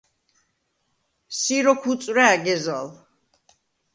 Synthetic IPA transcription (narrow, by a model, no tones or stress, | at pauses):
siɾɔkʰut̪sʼwɾɛaɡɛza̰l